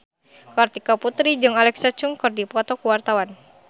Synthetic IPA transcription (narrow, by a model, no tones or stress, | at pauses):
kɔrt̪ikaput̪ɾid͡ʒɨŋalɛksat͡ʃuŋkɨrdipɔt̪ɔkuwart̪awan